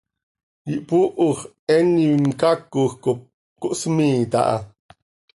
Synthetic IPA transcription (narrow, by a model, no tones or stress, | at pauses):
jiʔpuʔuχ | ɛniŋkakːuxkop̚ | kuʔsmiːt̪a̰ʔa̰